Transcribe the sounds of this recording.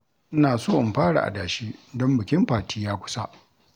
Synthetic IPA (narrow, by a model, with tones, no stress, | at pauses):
ʔɪ˦naː˨soː˦˨ʔɪ˨mɸaː˦ɽa̰˨ʔa̰˨daː˨ʃiː˦dɔ˦mbɪ˨kʲɪ˦mɸaː˨tʰiː˦jaː˦kʷʊ̥˦sa˦ʔ